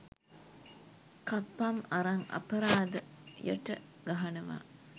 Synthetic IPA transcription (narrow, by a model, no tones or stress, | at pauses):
kapːɐmɐɾaŋɐ̰pɐɾaːd̪əjə̰ʈə̰ɡaɦɐnuʋa̰ː